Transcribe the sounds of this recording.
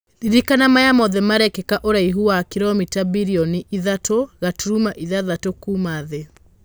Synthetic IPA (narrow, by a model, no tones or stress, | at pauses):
ɾiɾikanamajamɔðɛmaɾɛkɛkaʔoɾaiɦuwakiɾɔmitabiɾiɔniʔiðatʰoɣatuɾumaʔiðaðatokumaðɛ